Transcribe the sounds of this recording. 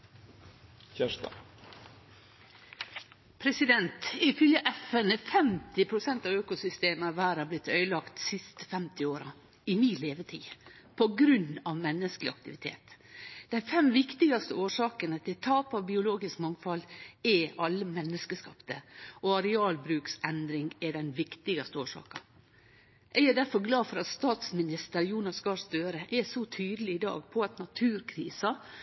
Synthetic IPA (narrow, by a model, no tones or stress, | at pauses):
çæʂt̪ɑ̰ | pʰɾɛsɪd̪ɛnt̪ɪfʏljəʔɛfɛnəfɛmt̪ɪpʰɾʊsɛnt̪ɑːøːkʊsʏst̪eːməæʋæːɾæblɪt̪ːœʏəlɑkt̪sɪst̪ə̥fɛmt̪ɪoːɾɑ | ɪmiːleːʋət̪ʰiː | pʰɔɡɾʉnːɑʋmɛnːəsklɪɑ̰k̚t̪ɪʋɪt̪ʰḛːt̪d̪̥æɪfɛmʋɪkt̪ɪɡɑst̪əoːʂɑːkənət̪ʰɪlt̪ʰɑːpɑʋbɪʊloːɡɪskmɑŋfɑlɛʔɑlːəmɛnːəskəskɑpt̪əɔɑɾɛɑːlbɾʉːksɛnd̪ɾɪŋɛɖɛnʋɪkt̪ɪɡɑst̪əoːʂɑ̰ːkɑ | ʔɛɡæɖ̪æɾfɔɾɡlɑːfɔɾɑt̪st̪ɑːt̪smɪnɪst̪əɾjuːnɑskɑst̪øːɾəʔɛsɔt̪ʰyːd̪əlɪɪd̪ɑ̰ːɡpʰɔɑt̪nɑt̪ʰʉːɾkʰɾḭːsɑ